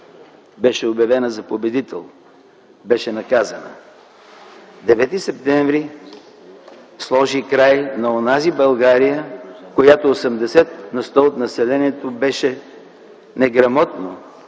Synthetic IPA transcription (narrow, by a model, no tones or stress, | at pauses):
bɛʃɛobjɐvɛnəzɐpobɛd̪it̪ɛ̰lˠ | bɛʃɛnɐkazənə̰ | d̪ɛvɛt̪isɛp̚t̪ɛɱvɾi | slˠɔʒikɾajnɐonazibɐlˠɡaɾijəkojat̪oosɛmd̪ɛsɛt̪nɐst̪ɔot̪nɐsɛlɛniɛt̪obɛʃɛ | nɛɡɾɐmɔt̪no